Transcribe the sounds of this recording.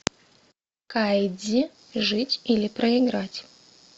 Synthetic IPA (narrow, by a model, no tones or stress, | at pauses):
kajdʲɪ | ʐɨtʲilʲɪpɾəɪɡɾatʲ